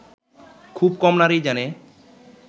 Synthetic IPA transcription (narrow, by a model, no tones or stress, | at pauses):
kʰub̚kɔmnaɾid͡ʒɛne